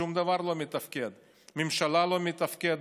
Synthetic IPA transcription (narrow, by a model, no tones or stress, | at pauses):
umd̪avaɾlo̞met̪ɐfkʲed̪ | mimʃalalo̞met̪afkʲed̪